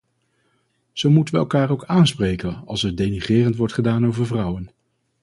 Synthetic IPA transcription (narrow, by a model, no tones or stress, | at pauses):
z̥owmutənʋəɛ̰lˠkaːɹowkaːnsprejkənɑ̰lˠsədejniχɪːrəntʋɔɹtχədaːnowvəɹvrʌwən